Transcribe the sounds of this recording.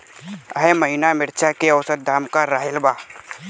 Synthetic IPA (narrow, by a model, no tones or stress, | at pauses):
əɦeməɦinamɪɾt͡ʃʰakeɐwsət̪̚d̪ʱaːmkaɾaːɦɪlbaː